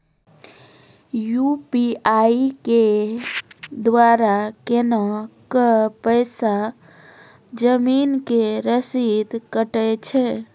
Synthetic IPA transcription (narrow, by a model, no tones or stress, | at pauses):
jupiajike | d̪waɾakenakəpəɪsa | d͡ʒəminkeɾəsid̪kəʈɛt͡ʃʰɛ